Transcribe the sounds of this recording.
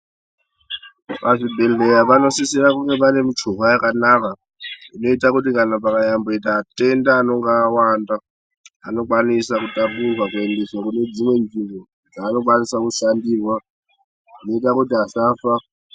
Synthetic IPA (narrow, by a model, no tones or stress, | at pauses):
βaʐibɛlɛjaβanosisiɾakuŋɡɛβanemit͡ʃʰuɦajakanaka | inoitak̬utikanapakajamboitaːtʼɛndaːnɔŋɡaːwanda | a̰nɔkwanisakutʼamuɦwakuendeswakuned͡zimwend͡zimbʱɔ | d͡zaːnokwanisakuʃandiːrwa | unoitakutiasaːfa